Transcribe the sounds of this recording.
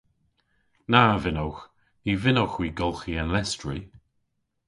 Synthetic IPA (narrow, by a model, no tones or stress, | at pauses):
navɪnɔwx | nivɪnɔwxwiɡɔlˠxiənlɛstɹi